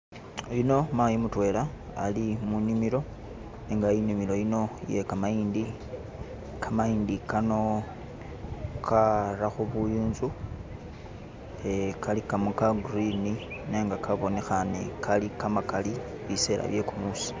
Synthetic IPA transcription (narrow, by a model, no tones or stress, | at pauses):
jino̞maːjimutwe̞ːla | a̰limunimiɾo̞ | neŋɡainimilo̞jino̞je̞kamajiːndi | kʰamaiːndikano̞ | kʰaɾaxuβujuːnzu | ekʰalikamukaɡrinine̞ːŋɡakʰaβo̞ne̞xane̞̰kʰalikamakali | βise̞la̰βje̞kumusi̥